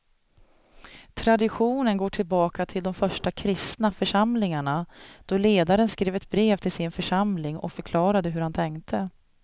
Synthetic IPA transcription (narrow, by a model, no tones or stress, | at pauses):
t̪ʰɾad̪ɪɧuːnənɡoːʈʰɪlbɑːkat̪ʰɪld̪ɔmfœʂʈakʰɾɪst̪nafœʂamlɪŋaɳad̪̥ɔleːd̪aɾənskɾeːvɛt̪̚bɾeːvt̪ʰɪlsɪnfœʂamlɪŋɔ̰kfœɾkʰlɑːɾad̪əɦɵɾhant̪ʰɛŋkt̪ʰə